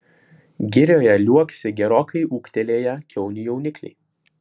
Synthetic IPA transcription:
ɡʲɪɾʲjoːjɛlʲuɔkʲsʲɪɡʲɛɾoːkʰɐɪʔuːkt̪ʲɛlʲeːjɛkʲʰɛʊnʲɪjɛʊnʲɪklʲɛ̰ɪ

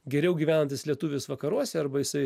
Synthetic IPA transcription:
ɡʲɛɾʲɛʊɡʲiːʋʲæːnɐnt̪ʲɪslʲiɛt̪uːʋʲɪsʋɐkɐɾuɔsʲɛɐɾbɐjɪsɐɪ

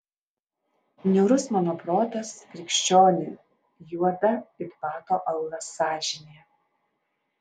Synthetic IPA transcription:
nʲɛʊɾʊsmɑːnoːpɾoːt̪ɐskɾʲɪkʃʲt͡ʃʲoːnʲɪ | juɔd̪ɐɪt̪pɑːt̪oːʔɐʊlˠɐsɑːʒʲɪnʲejɛ

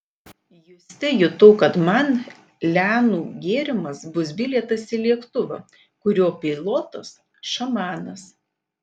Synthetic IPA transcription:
jʊsʲt̪ʲɪjʊt̪oːkɐt̪mɐn | lʲæːnuːɡʲeːɾʲɪmɐsbʊsbʲɪlʲɛt̪ɐsilʲiɛkt̪ʊʋɐ̰ | kʊɾʲoːpʲɪlˠoːt̪ɐs | ʃɐmɑːnɐs

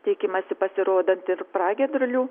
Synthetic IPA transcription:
t̪ʲɛɪkʲɪmɐsʲɪpɐsʲɪɾoːd̪ɐnt̪ɪɾpɾɑːɡʲɛd̪ɾʊlʲuː

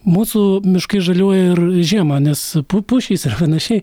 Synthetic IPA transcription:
muːsʊmʲɪʃkɐɪʒɐlʲuɔjɛɪrʒʲiɛmɐnʲɛspʊpʊʃʲiːsɪrpɐnɐʃʲɛɪ

